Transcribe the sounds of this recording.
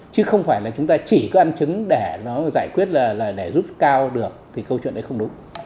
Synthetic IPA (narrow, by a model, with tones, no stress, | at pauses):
t͡ɕɨ˨˦xə˧wŋ͡mfaː˧˩jlaː˨˩t͡ɕʊ˨˦ŋ͡mt̪aː˧t͡ɕi˧˩kɔ˨˦ʔa˧nt͡ɕɨ˨˦ŋɗe˧˩nɔ˨˦zaː˧˩jkwi˦˥ət̚laː˨˩laː˨˩ɗe˧˩zu˦˥p̚kaː˧wɗɨ˨˩ək̚t̪ʰi˨˩kə˧wt͡ɕwḭ˧˨nʔə˨˦jxə˧wŋ͡mɗʊ˨˦ŋ͡m